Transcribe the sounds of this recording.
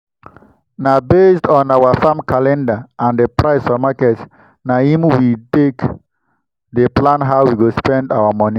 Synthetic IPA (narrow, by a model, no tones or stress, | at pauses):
nabestɔ̃nawafãmkalɛ̃ndaʔãnðəpɹaɪsfɔmakɛt | nahĩmwitek | ðəplãnɦaʊwiɡospɛ̃ndawamɔnĩ